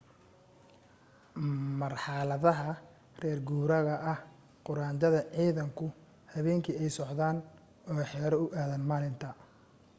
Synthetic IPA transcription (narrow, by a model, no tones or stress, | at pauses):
mɐrħɑlɐðɐɦɐ | rɛːrɡuːɾɐɣɐʔɐh | qʊɾaːnt͡ʃɐðɐʕiːðɐŋkʰʊ | hɐβɛːŋkʰiɛjsɔʕðaːn | ɔːħɛːɾɐʊʔaːðɐnmaːlɪnt̪ʰɐ